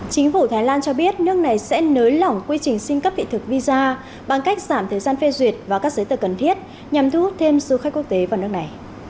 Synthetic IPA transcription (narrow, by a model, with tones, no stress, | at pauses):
t͡ɕï˨˦ŋ̟fu˧˩t̪ʰaː˨˦jlaː˧nt͡ɕɔ˧ɓi˦˥ət̚nɨ˦˥ək̚na˨˩jsɛ̰˧˥nəː˨˦jla˨˩wŋ͡mkwi˧t͡ɕï˨˩ŋ̟sï˧ŋ̟kə˦˥p̚t̪ʰḭ˧˨t̪ɨ˨˩k̚vi˧zaː˧ | ɓa˧˩ŋka˦˥jk̚z̥aː˧˩mt̪ʰəː˨˩jzaː˧nfe˧zwi˨˩ət̚vaː˨˩kaː˦˥k̚zə˨˦t̪ɨə˨˩kə˨˩nt̪ʰi˦˥ət̚ | ɲa˨˩mt̪ʰu˧˦hu˦˥t̚t̪ʰe˧msɨ˨˧˦xa˦˥k̟̚ku˦˥ək̚t̪e˨˦vaː˨˩n˦˥ək̚na˨˩j